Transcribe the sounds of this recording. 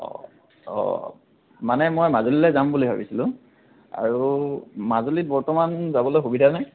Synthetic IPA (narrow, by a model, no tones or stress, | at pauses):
ɔ̰ | ɔ̰ | manɛmojmazolilɛzambulibʱa̰bḭsilʊ̃ | a̰ɹumazolit̚bɔɹtɔmanzabɔlojxubidʱanaj